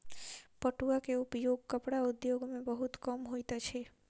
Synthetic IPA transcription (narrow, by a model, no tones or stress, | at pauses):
pəʈuakeupjoɡ̚kəpɽaud̪joɡmẽbəɦut̪kəmɦoit̪at͡ʃʰe